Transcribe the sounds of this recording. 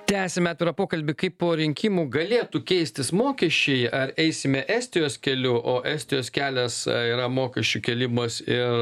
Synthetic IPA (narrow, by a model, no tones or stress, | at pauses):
t̪ʲæːsʲɛmʲɛɑt̪ʲɪɾɐpoːkɐlʲbʲɪkɐɪppoːɾʲɪŋʲkʲɪmuɡɐlʲeːt̪ukʲɛɪsʲt̪ʲɪsmoːkʲɛʃʲt͡ʃʲɛɪʔɐɾɛɪsʲɪmʲɛʔæːsʲt̪ʲɪjoːskʲɛlʲʊʔoːʔæːsʲt̪ʲɪjoːskʲæːlʲɛsiːɾɐmoːkʲɛʃʲt͡ʃʲukʲɛlʲɪmɐsɪɾ